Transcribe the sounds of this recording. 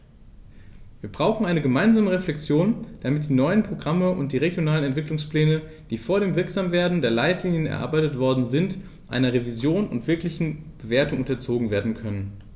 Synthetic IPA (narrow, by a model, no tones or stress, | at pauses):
viːɐbʁaʊx̩ʔaɪnəɡəmaɪnzaːməʁeflɛk̚t͡sjoːnd̥amɪt̚d̥iːnɔʏənpʁ̥oɡʁaməʔʊ̰ntd̥iːʁeɡjonaːlənɛntv̥ɪklʊŋsplɛːnə | d̥iːfoːɐɾeːmvɪɐkz̥aːmveːɐdn̩deːɐlaɪtliːnjənɛ̰ɐʔa̰ɐbaɪtətv̥ɔɐdn̩zɪnt | ʔa̰ɪnɐʁevizjoːnʊ̰ntv̥ɪɐklɪçn̩b̥əveːɐtʊŋʔʊntɐt͡soːɡŋ̩veːɐdn̩kʰœnən